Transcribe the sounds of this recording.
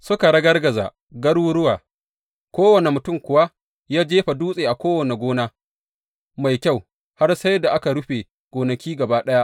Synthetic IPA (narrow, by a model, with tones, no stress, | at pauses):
sʊ˦ka˨ɽɐ˦ɡɐ˦rɡɐ˨za̰ː˨ | ɡɐ˦ɽwʊ˦ɽʊ˦waː˨ | kʷoː˦wɐ˨ne˨mʊ˨tʊ˦˨mkʷʊ˨wa˦ | jaː˦d͡ʒeː˦ɸa˨duː˦sʼeː˨ʔa˨kʷoː˦wɐ˨ne˨ɡʷoː˦naː˦ | ma˨jkʲa˦˨w | ha˦rsa˦jda˨ʔa˦ka˨ɽʊ˦ɸe˨ | ɡ̥ʷoː˨nɐ˨kʲiː˦ɡɐ˨baː˦ɗɐ˦ja˦ʔ